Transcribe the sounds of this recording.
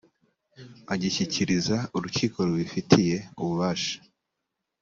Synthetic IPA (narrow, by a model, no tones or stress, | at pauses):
aɟiçiciɾizauɾuciːko̞ɾuβifitʰije̞uβuβaːʃḁ